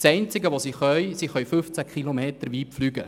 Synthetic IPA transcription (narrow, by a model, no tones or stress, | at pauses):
sɛɪnt͡sɪɡəʋosiχœjsiχœɥfɵft͡sækχilomeːt̪əɾʋiːpflyːɡə̰